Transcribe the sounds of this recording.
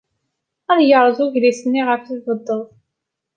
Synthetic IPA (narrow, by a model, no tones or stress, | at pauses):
æðjəʕɾˤəðˤʊʝlisənːiʁəfivəd̪ˤːəðˤ